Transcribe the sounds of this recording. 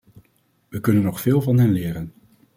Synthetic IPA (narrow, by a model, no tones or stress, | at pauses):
ʋəkɵnənːɔχfɪːlˠvɑnɦɛnlɪːɾən